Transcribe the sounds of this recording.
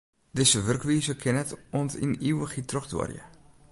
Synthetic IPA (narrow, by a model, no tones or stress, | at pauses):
dɪsəʋørkʋiːzəkʰɪnɛtɔntḭniwəxitʰrɔxdwɔ̰rjə̰